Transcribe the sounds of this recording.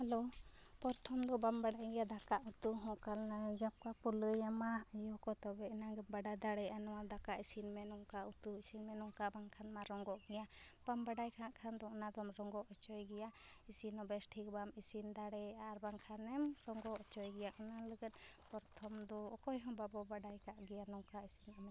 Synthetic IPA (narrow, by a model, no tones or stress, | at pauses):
hɛlo | pɔɾt̪ʰɔmd̪ɔbambaɖajɡɛjad̪aɾkaʔut̪uɦɔ̃ʔkalad͡ʒap̚kapɔləjamajɔkɔt̪ɔbɛinaɡɛbaɖad̪aɽɛʔanɔwad̪akaʔisinmɛnɔŋkaut̪uisinmɛnɔŋkabaŋkʰanmaɾɔŋɡɔʔɡɛja | pambaɖajkʰaʔkʰand̪ɔnad̪ɔmɾɔŋɡɔʔɔt͡ʃɔjɡɛja | isinɔbɛsʈʰikbamisind̪aɽɛaɾbaŋkʰanɛmɾɔŋɡɔʔɔt͡ʃɔjɡɛjaʔnaləɡət̪̚ˀ | pɔɾt̪ʰɔmd̪ɔːkɔjɦɔ̃babɔbaɖajkaʔɡɛjanɔŋkaisinamɛ